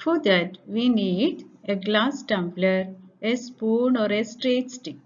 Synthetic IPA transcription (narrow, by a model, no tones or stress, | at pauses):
fod̪æʈʋiːniːɖeɡlaːsʈɛ̃mpləɾespuːnɔːɾesʈɾeːʈsʈik